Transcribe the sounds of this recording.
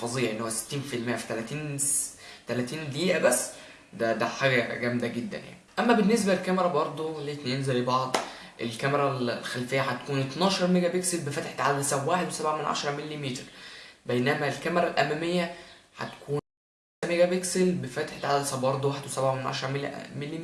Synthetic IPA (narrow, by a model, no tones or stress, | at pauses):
fɑzˤejːæʔenːhowæse̥t̪ːiːnfilmejːæfi̥t̪ælæt̪iːn | t̪ælæt̪iːnliːʔæbæsː | d̪æd̪æħaːɡæɡæmd̪æɡed̪ːæ̰nja̰ʕnniʔæmːæbenːes̬bælkæmeɾˤæbɑɾˤd̪ˤolet̪nenzæjbɑʕd̪ˤ | ʔelkæmeɾˤællxælfejːæħæt̪kuːnʔet̪nɑːʃɑɾˤmeɡæbekselbefæt̪eħt̪ʕalæsæbwaːħed̪wesæbʕamenʕa̰ʃɑɾˤɑmelːimiːt̪ɾbejnæmælkæmeɾˤɑlʔæmæmejːæħæ̰t̪kʰuːn | æ | æmeɡæbekselbefæt̪e̥ħt̪ʕalsæbɑɾˤd̪ˤwaːħed̪wesæbʕamenʕɑ̰ʃɑɾˤɑmelmelːi